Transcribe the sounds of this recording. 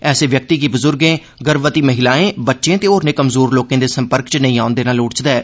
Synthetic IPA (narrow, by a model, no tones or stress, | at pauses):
ɛːseːʋjək̚t̪iːkiːbʊzʊɾɡẽː | ɡəɾʋət̪iːməɦɪlaːẽːbətːʃẽːt̪eːoːɾnẽːkəmzoːɾloːkẽːd̪eːsəmpəɾkt͡ʃənəĩːaːʊnd̪eːnaːlʊːɽt͡ʃd̪ɛː